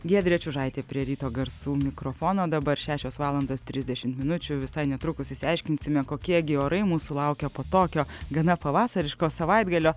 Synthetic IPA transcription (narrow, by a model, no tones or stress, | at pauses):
ɡʲiɛd̪ʲɾʲiɛt͡ʃʲʊʒɐɪt̪ʲeːpʲɾʲiɛɾʲiːt̪oːɡɐɾsuːmʲɪkɾoːfoːnoːd̪ɐbɐɾʃʲæːʃʲoːsʋɑːlˠɐnd̪oːst̪ʲɾʲɪzʲd̪ʲɛʃʲɪmt̪mʲɪnʊt͡ʃʲʊʋʲɪsɐɪnʲɛt̪ɾʊkʊsɪsʲɪɛɪʃʲkʲɪnʲsʲɪmʲɛkoːkʲiɛɡʲɪoːɾɐɪmuːsʊlˠɐʊkʲɛpoːt̪oːkʲoːɡɐnɐpɐʋɑːsɐɾʲɪʃkoːsɐʋɐɪd̪ɡɐlʲoː